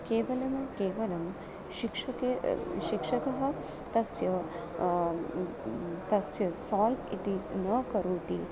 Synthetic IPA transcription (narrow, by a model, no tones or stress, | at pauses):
keːʋɐlɐmɐkeːʋɐlɐm | ʃikʂɐkeʃikʂɐkɐɦɐ̆ | t̪ɐsjɐ | t̪ɐsjɐsaːlt̪ḭt̪inɐkɐɾuːt̪i